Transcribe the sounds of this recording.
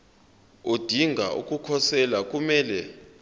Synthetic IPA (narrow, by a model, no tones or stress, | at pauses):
od̥ʱiŋɡʱa̰ṵk̬ʼukʰɔsɛlak̬ʼumɛːlɛ